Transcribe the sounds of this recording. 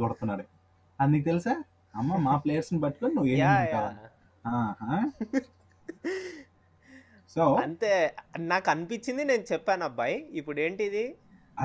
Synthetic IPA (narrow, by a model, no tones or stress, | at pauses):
bɐɽt̪unːaːɾu | ɐnd̪ikit̪̬elisaː | ɐmːamaːplejɐɾsnibɐʈːikoninuʋːeːauɳjaː | ɦaːɦaː | sowɐnt̪eːnaːkɐnipit͡ʃːind̪ine̞ːnut͡ʃɛpːaːnɐbːɐjipːuɽe̞ːɳʈid̪i | ɐ